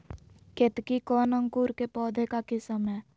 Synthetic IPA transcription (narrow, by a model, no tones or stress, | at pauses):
ket̪kikɔːnə̃ŋkuɾkepɔːd̪ʱekakɪsəmɦɛː